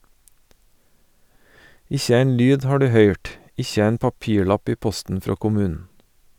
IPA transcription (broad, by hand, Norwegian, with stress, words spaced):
ˈɪçə ˈæɪn ˈlyːd ˈhɑː ˈɖʉː ˈhœʏʈ ˈɪçə ˈæɪn pɑˈpiːˌɭɑp ˈiː ˈpɔstn̩ ˈfɾoː kʊˈmʉːnn̩